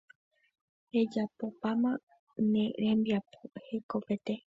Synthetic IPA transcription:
e̞d͡ʒapo̞pamã | nẽɾẽmbiapohekope̞t̪e

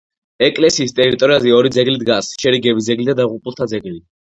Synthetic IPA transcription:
ɛkʼlɛsiːst̪ʼɛɾit̪ʼɔɾiazɛɔɾid̪zɛɡlid̪ɡasʃɛɾiɡɛbizɛɡlid̪ad̪aʁupʼulˠt̪ʰad̪zɛɡli

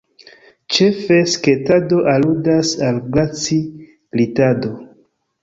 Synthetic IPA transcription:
t͡ʃe̞fe̞sketado̞ʔaludasalɡlat͡si | litado̞

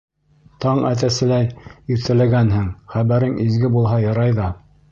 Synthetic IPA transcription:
t̪ɑɴæ̰t̪̬æsɘ̆læjɵ̆ɾt̪æ̆læɡænɦɘŋχæβæɾɘŋizɡɘbulˠɦɑjɤ̆ɾɑjðɑ

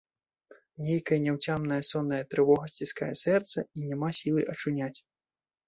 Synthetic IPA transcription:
nʲejkɐjɐnʲɛwt͡sʲamnɐjɐsɔnːɐjɐt̪ɾɨvɔɣɐsʲt͡sʲiska̰jɛsɛrt̪sɐinʲɛmasʲilˠɨʔɐt͡ʂunʲat͡sʲ

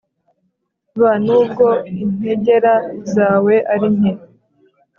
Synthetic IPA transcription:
βanuːb̚ɡo̞in̥he̞ɟe̞ɾazaːwe̞ʔaɾiɲhe

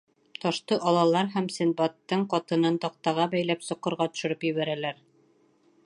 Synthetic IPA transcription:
t̪ɒʃt̪ɤʔɒlˠɑlˠɑɾɦæmsɘ̆nbɑt̪ːɤɴqɑt̪ɤ̆nɤnt̪ɒq̚t̪ɑʁɑbæjlæpsŏqːɤ̆ɾʁɑt̪ɵ̥̆ʃɵ̆ɾɤpjɵ̆βæɾælæɾ

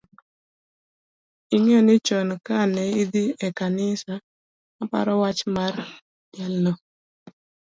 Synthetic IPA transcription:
iŋɛnɪt͡ʃɔnkanɛid̪iɛkanɪsa | apa̰ɾɔwat͡ʃmar | dɛlnɔ

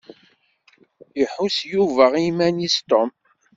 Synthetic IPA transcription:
jəħusjuvæʁimænist̪om

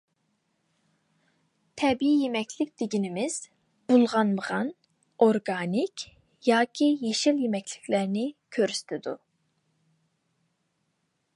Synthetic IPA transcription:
t̪ʰɛbiijemɛkʲʰlɪk̚ʲd̪̥eɡʲinɪmɪz̥ | b̥ulˠʁɑnməʁɑn | oɾɡɑnikʲ | jɑːkʲʰijeʃɪljemɛkʲʰlɪ̥kʰʲlæɾnɪkʲʰøɾysy̥t̪ʰɪd̪u

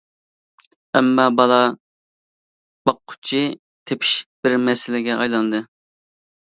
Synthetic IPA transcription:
ɛmːɑbɑlˠɑ | b̥ɑqʰːʊ̥t͡ʃʰi | t̪ʰepʰi̥ʃb̥ɪɾmɛsɪlɪɡʲɛʔɑjlˠɑnɨd̪ɨ

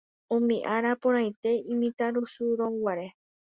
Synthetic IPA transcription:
õmĩʔaɾapõɾ̃ãj̃t̪e̞ĩmĩt̪aɾusuɾõwaɾe

